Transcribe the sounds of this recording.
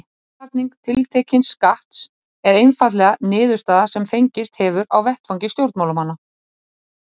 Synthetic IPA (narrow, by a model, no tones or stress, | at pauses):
apniŋk̚t̪ʰɪlt̪ʰɛːcɪnskaht̪s | ɛɾejnfat̪̬lɛɣanɪːðʏ̥st̪aːðasɛmfejɲcɪst̪hɛːvʏɾa̰wvɛht̪fawɲcɪst̪jowɾt̪mawlʏmhanːa